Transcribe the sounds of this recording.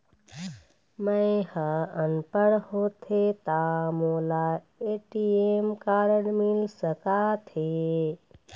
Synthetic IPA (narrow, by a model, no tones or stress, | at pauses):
məɪhəənpəɾhot̪ʰet̪amola | eʈiemkaɾənmilsəkat̪ʰe